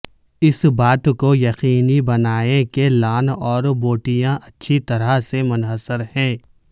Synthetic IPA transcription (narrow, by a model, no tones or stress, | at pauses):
ɪsbaːt̪kojɐqiːnibɐnaːekelaːnɔːɾboːʈijãʔɐtːʃʰit̪ɐɾasemʊnɦəsəɾhɛ̃ː